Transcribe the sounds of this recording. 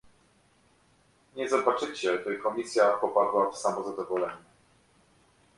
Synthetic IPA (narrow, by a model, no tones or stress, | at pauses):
ɲɛzɔbat͡ʂɘt͡ɕɛʐɘkɔmʲisʲjapɔpad̪wafsamɔzad̪ɔvɔlɛɲɛ